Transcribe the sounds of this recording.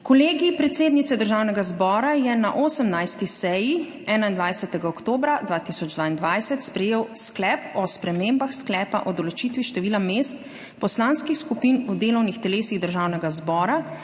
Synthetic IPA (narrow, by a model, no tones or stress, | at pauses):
kɔleːɡipɾɛt̪seːd̪nit̪sɛd̪əɾʒaːwnɛɡazbɔːɾajɛnaʔosəmnajst̪isɛji | ɛːnaind̪ʋajsɛt̪ɛɡaɔkt̪oːbɾad̪ʋaːt̪isɔd͡ʒd̪ʋaːind̪ʋajsɛt̪spɾɛjeːwsklɛpɔspɾɛmeːmbaxsklɛːpaʔɔd̪ɔlɔt͡ʃit̪ʋiʃt̪ɛʋiːlameːst̪ | pɔslanskixskupiːnud̪eːlɔwnixt̪ɛleːsiɣd̪əɾʒawnɛɡazbɔːɾa